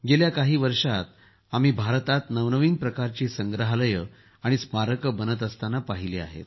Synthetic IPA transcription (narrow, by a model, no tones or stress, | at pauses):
ɡeljakaɦiːʋəɾʂat̪̚ | am̤iːbʱaɾt̪at̪nəʋnəʋiːnpɾəkaɾt͡ɕiːsəŋɡɾəɦaləjə | aɽ̃ismaɾəkəbənət̪̬əst̪anapaɦiliːa̰ɦḛt̪